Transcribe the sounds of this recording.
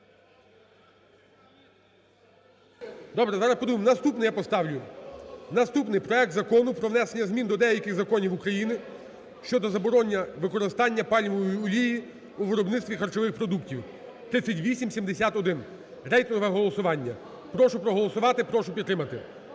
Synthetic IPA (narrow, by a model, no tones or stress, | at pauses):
d̪ɔbɾɛzɑɾɐspɔd̪umɪmnɐst̪upnɪjapɔst̪ɑwlʲʊnɐst̪upnɪjpɾɔɛk̚t̪zɐkɔnʊpɾɔʋnɛsenʲːɐzmʲind̪ɔd̪ɛjɐkɪxzɐkɔnʲiwukɾɐjinɪ | ʃt͡ʃɔd̪ɔzɐbɔɾɔnʲːɐʋɪkɔɾɪst̪ɑnʲːɐpɑlʲʋɔɔjiɔlʲiji | uʋɪɾɔbnɪtst̪ʋʲixɐrt͡ʃɔʋɪxpɾɔd̪uktʲiw | t̪ɾɪsʲɐtʲʋʲisʲimsʲimd̪esʲat̪ɔd̪ɪn | rɛjt̪ɔʋɛɦɔlˠɔsʊʋɑnʲːɐ | pɾɔʃʊpɾɔɦɔlˠɔsʊʋɑt̪ɪpɾɔʃʊpʲid̪tːɾɪmɐt̪ɪ